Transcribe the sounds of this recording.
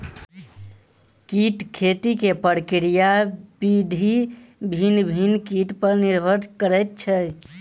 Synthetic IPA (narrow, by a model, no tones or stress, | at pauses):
kiʈkʰet̪ikepəɾkɾijabid̪ʱibʱinbʱinkiʈpəɾniɾbʱəɾkəɾɛt̪̚t͡ʃʰɛ